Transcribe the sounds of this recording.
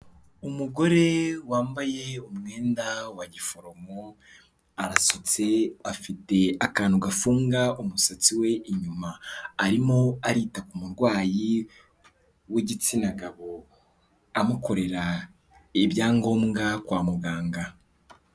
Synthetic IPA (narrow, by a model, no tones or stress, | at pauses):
umuɡo̞ɾe̞waːmbaje̞umŋe̞ːndawaɟifo̞ɾo̞mo | aɾasot͡se̞afite̞akaːnhuɡafuːŋɡaumusat͡siwe̞ʔiɲumaːɾimoaɾiːtakumuɾɡwaːji | weɟit͡sinaɡaβo̞ | amuko̞ɾe̞ɾa | eβjaːŋɡo̞ːmɡakwaːmuɡaːŋɡa